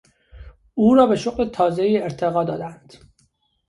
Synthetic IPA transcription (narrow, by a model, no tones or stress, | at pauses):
uːɾɒːbeʃoɣlet̪ʰɒːzejieɾt̪ʰeɣɒːd̪ɒːd̪ænd̪̥